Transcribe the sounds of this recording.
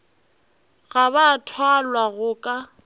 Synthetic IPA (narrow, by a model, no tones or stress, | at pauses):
ɣaβatʰwalwaɣʊkʼa